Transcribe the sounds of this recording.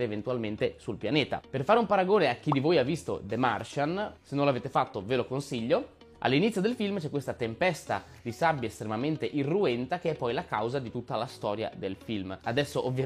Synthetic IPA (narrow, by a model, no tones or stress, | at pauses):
ɾeːvent̪ualment̪esulpjaneːt̪a̰perfaːɾeumpaɾaɡoːneak̟ːid̪ivoːjavːist̪o̰d̪emarʃansenːonlaveːt̪efat̪ːovelokonsiʎːo | a̰lːinit̪sjod̪elfilmt͡ʃɛkːwest̪at̪empɛst̪a̰ | d̪isabːjaest̪ɾemament̪eʔirːuɛnt̪ak̟eɛpːɔjlakawzad̪it̪ut̪ːalast̪ɔːɾja̰d̪elfilmad̪ɛsːoʔovːja